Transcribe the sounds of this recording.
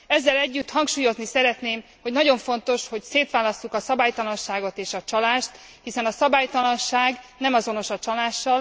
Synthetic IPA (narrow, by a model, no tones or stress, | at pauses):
ɛzːɛlɛɟːyt̪ːhɒŋkʃuːjo̞znisɛɾɛt̪neːm | ho̞ɟnɒɟo̞ɱfo̞nt̪o̞ʃho̞cseːt̪ʋaːlɒstukɒsɒbaːjt̪ɒlɒnʃaːɡo̞t̪eːʃɒt͡ʃɒlaːʃt̪ | hisɛnɒsɒbaːjt̪ɒlɒnʃaːɡnɛmɒzo̞no̞ʃɒt͡ʃɒlaːʃːɒl